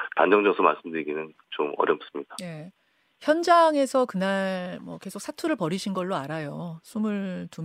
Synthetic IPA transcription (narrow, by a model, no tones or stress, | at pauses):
tand͡ʑʌŋd͡ʑʌsʰʌma̰ɭs͈ɯmdɯɾiɡinɯn | t͡ɕomʌɾjʌp̚s͈ɯmɲid̥aje̞ | çjʌnd͡ʑaŋe̞sʰʌkɯnaɭɭmwʌke̞sʰok̚s͈ʰatʰuɾɯɭpʌɾiɕʰinɡʌɭːoaɾajosʰumɯɭtu